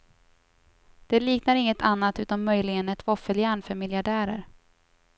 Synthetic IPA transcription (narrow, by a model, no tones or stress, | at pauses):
d̪̥ɛliːknaɾɪŋːət̪ʰanːat̪ʉ̟ːt̪anmœjlɪɡənɛt̪vɔfəljæːɳfœɾmɪljaɖæːɾə̰ɾ